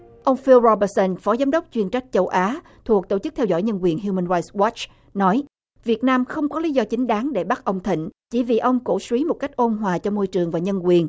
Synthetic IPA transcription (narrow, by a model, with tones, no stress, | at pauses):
ʔə˧wŋ͡mfi˧lzɔ˧ɓə˧sə˧nfɔ˨˦zaː˨˦mɗə˦˥wk͡p̚t͡ɕwi˧ənt͡ɕa˦˥k̟̚t͡ɕə˧wʔaː˨˦ | t̪ʰu˨˩k̚t̪o˧˩t͡ɕɨ˦˥k̚t̪ʰɛ˧wzɔ̰˧˥˩jɲə˧nkwi˨˩ənɦju˧mə˧nɹaː˧jtswɔ˦˥t͡ɕ | nɔ˨˦j | vi˨˩ət̚naː˧mxə˧wŋ͡mkɔ˨˦li˨˦zɔ˧t͡ɕï˨˦ŋ̟ɗaː˨˦ŋɗe˧˩ɓa˦˥ʔə˧wŋ͡mt̪ʰḭ̈˧˨ŋ̟t͡ɕḭ˧˩vḭ˨˩ʔə˧wŋ͡mko̰˧˩swi˨˦mo˨˩ka˦˥k̟̚ʔo˧nɦwaː˨˩t͡ɕɔ˧mo˧jt͡ɕɨ˨˩əŋvaː˨˩ɲə˧nkwi˨˩ən